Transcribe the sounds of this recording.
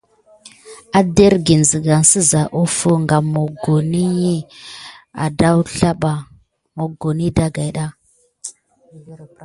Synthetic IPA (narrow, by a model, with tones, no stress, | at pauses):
a˦de˦ɾɡi˨n˨zi˨ɡa˨ŋsə˦za˨ʔu˦fu˦ŋɡa˨mo˨ɡo˨ni˦ji˦ | a̰˨da˦wɬa˦ɓa˨ | mo˨ɡo˨ni˦da˦ɡa˨jɗa˦